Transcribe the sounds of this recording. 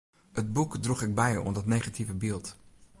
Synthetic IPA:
həd̚bukdruχɪɡ̚bɛjəɔndɑtnejχativəbɪːlˠt

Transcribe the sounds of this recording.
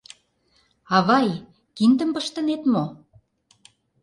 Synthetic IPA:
ɑβɑj | kind̪ə̆mpəʃt̪ə̆net̪mo

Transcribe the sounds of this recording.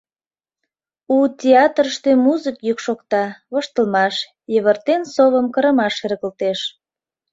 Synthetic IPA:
utʲeɑt̪rəʃt̪ømuzəkjykʃokt̪ɑβəʃt̪əlmɑʃ | jəβərt̪ensoβəmkəɾə̆mɑʃeɾɣəlt̪eʃ

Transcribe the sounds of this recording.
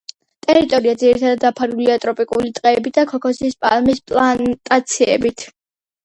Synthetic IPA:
t̪ʼɛɾit̪ʼɔɾiad̪ziɾit̪ʰad̪ad̪apʰaɾuliat̪ʼɾɔpʼikʼulit̪ʼqʼɛːbit̪̚d̪akʰɔkʰɔsiːspʼalmispʼlˠant̪ʼat̪sʰiɛ̰bit̪ʰ

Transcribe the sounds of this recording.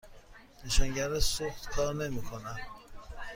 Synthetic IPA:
neʃɒːŋɟæɾesoxt̪kʰɒːɾne̞miːkʰonæn

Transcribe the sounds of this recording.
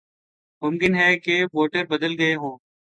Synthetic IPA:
mʊmkɪnɦɛːkeʋoːʈəɾbɐd̪əlɡɐeɦõː

